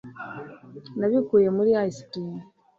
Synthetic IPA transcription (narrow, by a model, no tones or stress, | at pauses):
naβikujemuliaisitin